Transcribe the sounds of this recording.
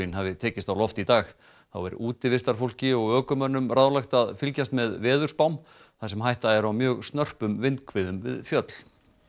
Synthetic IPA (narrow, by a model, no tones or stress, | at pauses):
ɪnhavɪt̪ʰɛːcɪst̪awlɔft̪it̪aːx | θa̰wɛɾ̰ʔuːt̪ɪvɪst̪aɾ̥fowl̥cɪɔɣœːkʏmœnːʏmraðlajxt̪aðfɪlcast̪mɛðvɛːðʏɾ̥spawm | θasɛmɦajht̪aɛɾawmjœːɣst̪nœr̥pʏmvɪnt̪kʰvɪðʏmvɪ̰ðfjœt̪l